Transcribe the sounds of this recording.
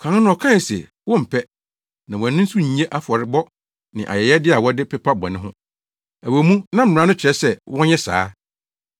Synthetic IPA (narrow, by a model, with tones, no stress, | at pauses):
kʰã˨n˦nʊ̃˦ɔ˨kʰã˦˨sɛ̰˨ | wɔ̃˦m̩˨pʰɛ˦ | nã˨w̃æ˨nʊ̃˦n̩˦su˦ɲ˨ẽ˦ʔa˦fʊ˨ɔ˨ɾɪ˨˦bɔ˦ | nɪ̰̃˨ʔa̰˨jɛ˨jɛ˦dɪ˦a˨wɔ˦dɪ˦pʰɛ˦pʰa˦bɔ̰˨nɪ̃˦ɦʊ̰̃˦ | æ˨wo˨˦mũ˦nã˦m̩˨mɪ̃˨ã˦nʊ̃˦t͡ɕʰɾɛ˦sɛ˦wʔɔ̃˦ɲɛ˦sa̰ː˦